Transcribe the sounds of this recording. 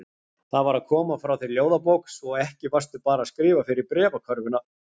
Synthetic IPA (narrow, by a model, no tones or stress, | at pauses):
θaðvaɾaðkʰɔːmafɾawθɪɾljoːwðapowksɔɛhcɪvḁst̪ʏpaːɾaːskɾɪːvafɪɾɪɾpɾɛːvakʰœɾvʏna